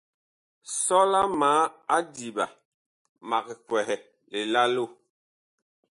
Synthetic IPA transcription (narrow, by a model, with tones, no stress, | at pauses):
sɔ˦la˦maː˨˦a˦di˨ba˨ | ma˨kɛ˨kwɛ˨hɛ˨ | le˨la˦lo˦˨